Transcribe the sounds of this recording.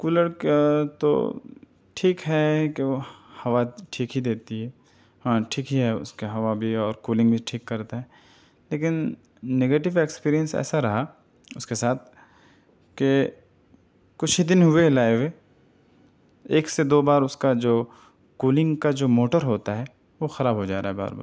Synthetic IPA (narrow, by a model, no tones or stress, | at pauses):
kuːləɾket̪o̰ | ʈʰiːkɦɛkeohɐʋaʈʰiːkɦid̪eːt̪iɦɛː | ɦãːʈʰiːkɦiɦɛʊ̰skeɦɐʋabʱiɔːɾkuːlɪ̃ŋɡbʱiʈʰiːkːɐɾt̪aɦɛː | leːkɪnː | eɡeːʈɪʋekspiːɾijə̃nsɛ̰ːsaɾɐɦa | ʊskesaːt̪̚ʰ | ke | kʊt͡ʃʰid̪ɪnɦʊelaːɪʋe | eːksed̪oːbaːɾʊskad͡ʒoː | kuːlɪ̃ŋɡkad͡ʒoːmoːʈəɾɦoːt̪aɦɛ | ʋoxɐɾaːbɦod͡ʒa̰ːɾa̰ɦɛba̰ːɾba̰ːɾ